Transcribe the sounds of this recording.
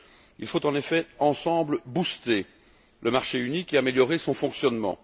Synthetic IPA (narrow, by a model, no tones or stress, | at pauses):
ḭlfot̪ɑ̃nefɛɑ̃sɑ̃bləbust̪e | lʔəmaʁʃeynikeameljɔʁesɔ̃fɔ̃ksjɔnmɑ̰̃